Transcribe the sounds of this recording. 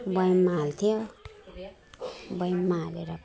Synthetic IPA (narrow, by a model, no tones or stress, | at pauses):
bʌjmalt̪ʰijo | bʌjmaleɾʌ